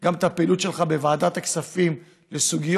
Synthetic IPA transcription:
ɡamt̪apelut̪ʃelχabevaːd̪at̪aksafim | lesuɡijo

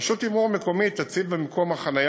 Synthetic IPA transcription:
ʃot̪imuameko̞mit̪ːat͡sivbemkʰomaχanaj

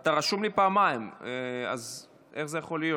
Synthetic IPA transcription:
at̪aʁaʃumlipaːmaimea̰z | ʔeχze̞jaχo̞lijo

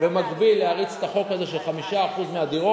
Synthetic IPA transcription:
vemaɡbilːeaʁit͡se̥t̪aχo̞khaze̞ʃelχamiʃaːχuzmead̪iʁo

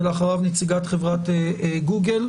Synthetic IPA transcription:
leaχaʁavnet͡siɡat̪χevʁat̪eɡuɡel

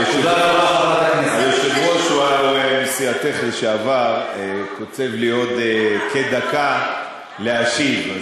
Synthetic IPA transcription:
t̪od̪aʁabaaajoʃevjoʃuauesiat̪eχliʃeavaʁkot͡se̞vlijo̞d̪eked̪aka | leaʃiv

